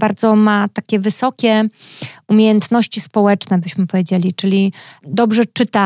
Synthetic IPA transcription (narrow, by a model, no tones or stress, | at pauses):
baɾd̪zɔmat̪akʲɛvɘsɔkʲɛ | umʲjejɛnt̪nɔɕt͡ɕispɔwɛt͡ʂnɛbɘɕmɘpɔvʲjed͡ʑelʲit͡ʂɘlʲid̪ɔbʐɛt͡ʂɘt̪a